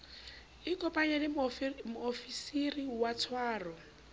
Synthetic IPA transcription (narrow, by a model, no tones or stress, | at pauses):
ɪkʼɔpʼaɲɛlɪmʊofisiriwatʰwaːrɔ